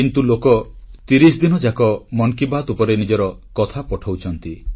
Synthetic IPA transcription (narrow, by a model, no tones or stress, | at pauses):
int̪ulokɔt̪iɾisd̪inɔd͡ʒakɔmɔŋkibat̪upɔɾenid͡ʒɔɾɔkɔt̪ʰapɔʈʰawt͡ʃʰɔnt̪i